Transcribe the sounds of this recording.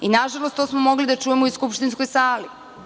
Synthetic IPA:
inaʒalˠost̪osmomo̞ɡlid̪at͡ʃujemoiskupʃt̪inskojsaːli

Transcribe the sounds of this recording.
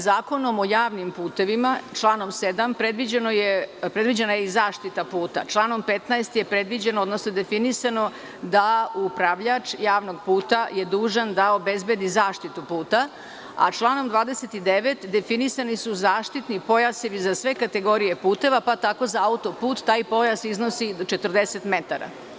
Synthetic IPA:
zaːko̞no̞mo̞jaːʋnimpuːt̪e̞ʋimat͡ʃlˠaːno̞msed̪ampɾe̞d̪ʋid͡ʑenojepɾed̪ʋid͡ʑenajeizaːʃt̪it̪apuːt̪a̰t͡ʃlˠaːno̞mpet̪naest̪je̞pɾe̞d̪ʋid͡ʑenood̪nosnod̪e̞finisano̞ | d̪aupɾaʋʎat͡ʂjaːʋno̞ɡpuːt̪aje̞d̪uːʒand̪ao̞bezbed̪izaːʃt̪it̪upuːt̪a | a̰t͡ʃlˠaːno̞md̪ʋaːd̪eset̪id̪eʋet̪d̪e̞finisanisuzaːʃt̪it̪nipo̞jaseʋizasʋe̞kat̪e̞ɡo̞ɾije̞puːt̪e̞ʋapat̪ako̞zaaut̪opuːt̪ːaːjpo̞jasiznosid̪ot͡ʃet̪rd̪eset̪met̪aɾa̰

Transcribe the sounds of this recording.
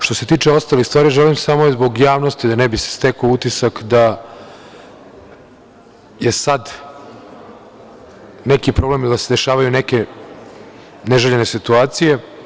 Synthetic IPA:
ʃt̪o̞se̞t̪iːt͡ʂeo̞st̪alixst̪vaːɾiʒelimsamozbo̞ɡjaːʋnost̪id̪anebise̥st̪ekout̪isakd̪a | jesad̪ | nekipɾo̞ble̞milid̪ased̪e̞ʃaːʋajuneke̞ | neʒeʎene̞sit̪uaːt̪sije̞

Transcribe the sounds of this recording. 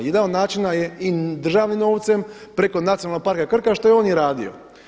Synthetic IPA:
jed̪anod̪naːt͡ʃinajeid̪r̩ʒaːʋnimno̞ːʋt̪se̞m | pɾe̞ko̞nat̪ionalnoɡ̚paɾkakr̩kaʃt̪o̞jeo̞ːnjeɾaːd̪ḭo̰

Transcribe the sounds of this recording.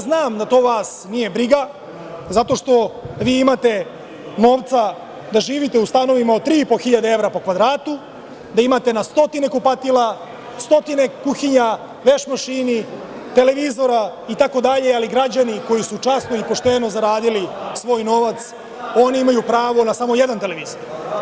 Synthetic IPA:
znaːmd̪at̪o̞ːʋaːsnije̞bɾiɡa | zat̪o̞ʂt̪o̞ʋiːimat̪e̞ | no̞ːʋt̪sa | d̪aʒiːʋit̪e̞ust̪ano̞ʋimaod̪̚t̪ːɾiːipo̞xiʎad̪ee̞vɾapo̞kʋad̪ɾaːt̪u | d̪aimat̪e̞nast̪o̞t̪ine̞kupat̪ila | st̪o̞t̪ine̞kuxiɲa | ʋeʃmaʃini | t̪e̞le̞ʋizo̞ɾait̪ako̞d̪aʎe̞aliɡɾad͡ʑaniko̞jisut͡ʂasno̞ipo̞ʂt̪e̞no̞zaɾaːd̪ilisʋo̞ːjno̞ʋat̪s | o̞niimajupɾaːʋo̞nasamo̞jed̪ant̪e̞leʋiːzoɾ

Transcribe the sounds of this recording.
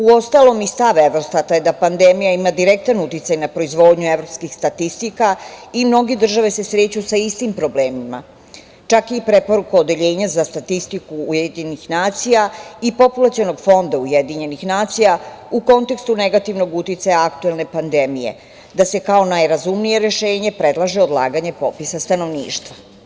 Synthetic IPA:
uo̞st̪alo̞mist̪aʋeʋɾo̞st̪at̪ajed̪apand̪emijaimad̪iɾek̚t̪anut̪it̪sajnapɾo̞izʋo̞ːd̪ɲueʋɾo̞pskixst̪at̪ist̪ikaimno̞ɡe̞d̪r̩ʒaʋe̞se̞sɾe̞ːt͡ɕusaist̪impɾo̞bleːmima̰ | t͡ʃakipɾe̞po̞ɾukaod̪e̞ʎe̞ːɲazast̪at̪ist̪ikuːjed̪ɲenixnaːt̪sijaipo̞pulˠat̪siono̞ɡfo̞nd̪aujed̪iɲe̞nixnaːt̪sijauko̞nt̪e̞kst̪une̞ɡat̪iʋno̞ɡut̪it̪sajaakt̪ue̞lne̞pand̪e̞mije̞̰ | d̪ase̞kao̞najɾazumnije̞ɾe̞ʃeːɲe̞pɾe̞d̪lˠaʒeod̪lˠa̰ːɡaɲe̞po̞pisast̪ano̞ʋnḭːʃt̪ʋa

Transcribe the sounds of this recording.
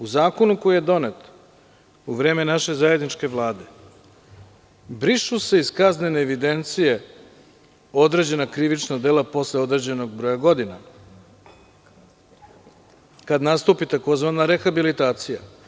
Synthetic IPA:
uzaːko̞nuko̞jije̞d̪o̞net̪ | uʋɾe̞ːme̞naʃe̞zaje̞d̪nit͡ʃke̞ʋlˠaːd̪e̞ | bɾiʃuse̞iskazneneːʋid̪e̞nt̪sije̞ | o̞d̪ɾed͡ʑe̞nakɾiʋit͡ʃnad̪elapo̞sleo̞d̪ɾed͡ʑe̞no̞ɡbɾo̞jaɡo̞d̪ina | kad̪nast̪uːpit̪ako̞zʋanaɾe̞xabilit̪aːt̪sija

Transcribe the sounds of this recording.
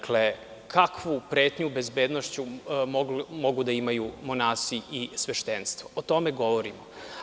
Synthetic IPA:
kle̞ | kʰakʋupɾe̞ːt̪ɲube̞zbe̞ːd̪noʃt͡ɕu | mo̞ɡud̪aimajumo̞naːsiʔisʋeʃt̪enst̪ʋoot̪o̞meɡo̞ʋo̞ɾimo

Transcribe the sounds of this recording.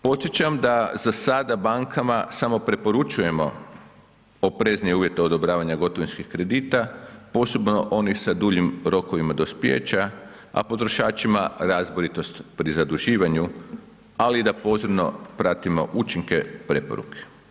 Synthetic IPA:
po̞t̪sjet͡ɕamd̪azasad̪abaŋkʰamasamo̞pɾe̞po̞ɾut͡ʃuje̞mo̞̰ | opɾe̞znijeuːʋje̞t̪eod̪o̞bɾaːʋaɲaɡo̞t̪oʋinskixkɾe̞d̪iːt̪apo̞so̞bno̞ʔo̞nixsad̪uːʎimɾo̞koʋimad̪o̞spjḛt͡ʃa | a̰po̞t̪ɾo̞ʃaːt͡ʃimaɾazboɾit̪o̞st̪pɾizad̪uʒiːʋaɲu | alid̪apo̞zebno̞̰pɾat̪imo̞̰ʔut͡ʃiŋke̞pɾe̞po̞̰ɾṵkʰe̥

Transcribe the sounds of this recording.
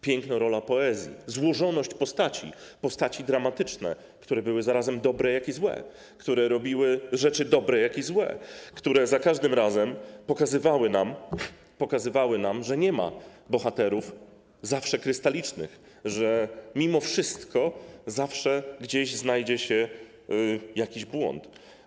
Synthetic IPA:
pʲjɛŋknɔɾɔlapɔɛzʲjḭzwɔʐɔnɔɕt͡ɕpɔst̪at͡ɕḭpɔst̪at͡ɕid̪ɾamat̪ɘt͡ʂnɛ̰ | kt̪uɾɛbɘwɘzaɾazɛmd̪ɔbɾɛjakizwɛ̰ | kt̪uɾɛɾɔbʲiwɘʐɛt͡ʂɘd̪ɔbɾɛjakizwɛ̰kt̪uɾɛzakaʐd̪ɘmɾazɛmpɔkazɘvawɘnam | pɔkazɘvawɘnamʐɛɲɛma̰ | bɔxat̪ɛɾuf | zafʂɛkɾɘst̪alʲit͡ʂnɘ̰x | ʐɛmʲimɔfʂɘst̪kɔzafʂɛɡd͡ʑeɕznajd͡ʑɛɕɛ | jakʲiʑbwɔ̰nt̪

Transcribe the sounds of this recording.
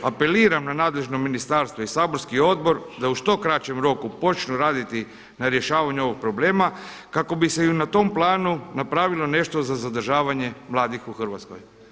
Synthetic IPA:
ape̞liːɾamnanaːd̪le̞ʒnominist̪aɾst̪ʋo̞isaːbo̞ɾskio̞d̪̚bo̞ɾd̪auʃt̪o̞kɾat͡ɕe̞mɾo̞kupo̞t͡ʃnuɾaːd̪it̪i | naɾje̞ʃaːʋaɲuo̞ʋo̞ɡ̚pɾo̞ble̞ːma | kako̞bise̞iunat̪o̞mplˠaːnunapɾaːʋilˠo̞ne̞ʃt̪o̞zazad̪r̩ʒaːʋaɲe̞mlˠaːd̪ixuxər̩ʋat̪sko̰j

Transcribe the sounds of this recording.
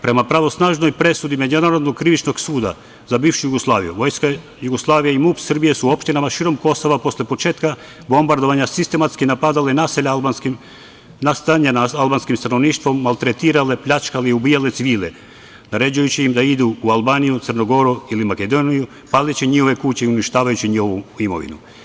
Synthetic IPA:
pɾe̞mapɾaʋo̞snaːʒno̞jpɾe̞sud̪imed͡ʒunaɾod̪noɡ̚kɾiʋit͡ʃno̞ɡsuːd̪a̰ | zabiːʋʃujuɡoslˠaːʋḭjṵʋo̞jska | juɡoslˠaːʋijaimupsr̩bijesuopʃt̪inamaʃiːɾo̞mko̞so̞ʋapo̞slʲepo̞t͡ʃe̞ːt̪ka | bo̞mbaɾd̪o̞ʋaɲasist̪e̞mat̪skinapad̪alenaːseʎabanki | nast̪aɲanalˠbaːnskimst̪ano̞ʋniːʃt̪ʋo̞mːalt̪ɾet̪iːɾale̞pʎʲat͡ʃkaleiubiːjalet̪siʋiːle | naɾe̞d͡ʑujut͡ɕiimd̪aid̪uːalˠbaːnijut̪sərnoɡo̞ɾuilimaked̪oniju | palit͡ɕiɲixo̞ʋe̞kut͡ɕeiuniʃt̪aːʋajut͡ɕiɲihoʋuimo̞̰ʋḭnṵ

